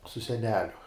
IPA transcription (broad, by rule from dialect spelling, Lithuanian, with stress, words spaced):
sʊ sʲɛˈnʲæːlʲʊ